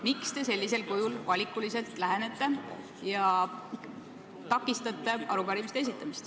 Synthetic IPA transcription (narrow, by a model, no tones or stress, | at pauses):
mikst̪e̞se̞lʲːise̞lkujulvɑlʲikˑːulise̞lt̪ˑlæɦene̞t̪ˑːe̞ | jɑ | t̪ɑkːˑist̪ɑt̪ːˑe̞ɑɾupɑɾimist̪eesit̪ːˑɑmist̪